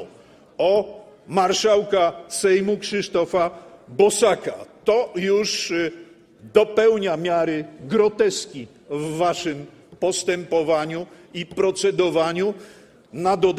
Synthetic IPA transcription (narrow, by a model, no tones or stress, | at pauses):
ɔmaɾʂawkasɛjmukʂɘʂt̪ɔfabɔsakat̪ɔjuʂ | d̪ɔpɛwɲamʲjaɾɘɡɾɔt̪ɛskʲi | vːaʂɘm | pɔst̪ɛmpɔvaɲuipɾɔt̪sɛd̪ɔvaɲu | nad̪ɔd̪